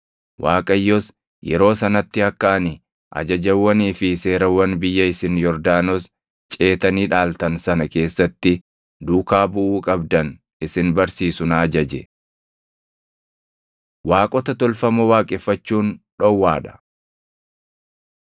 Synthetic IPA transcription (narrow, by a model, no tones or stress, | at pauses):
wʔaːkʼɐjːɔs | jɛ̰ɾo̞ːsɐnɐt̪ːɪɐkːaːnɪ | ʔɐ̰d͡ʒɐd͡ʒɐwːɐniːfɪse̞ːɾɐwɐnbɪjːɐɪsɪnjɔɾd̪aːnos | t͡ʃʼe̞ːt̪ɐniːᶑaːlt̪ɐnsɐnɐke̞ːsːɐt̪ːɪ | d̪uːkaːbʊʔuːkʼɐbd̪ɐn | ɪsɪnbɐɾsiːsʊnɐːd͡ʒɐd͡ʒɛ | waːkʼɔt̪ɐt̪ɔlfɐmɐwaːkʼɪfːɐt͡ʃːuːnᶑɔwːaːᶑɐ̥